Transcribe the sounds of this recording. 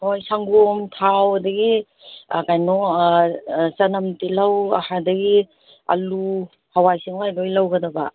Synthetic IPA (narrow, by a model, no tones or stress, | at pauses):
hojsaŋɡomtʰawdɐɡi | kajnɔ | sɐnɐmtilɐwa̰hadɐɡi | ɐ̰lu | hawajsiŋajlojlawɡɐdɐba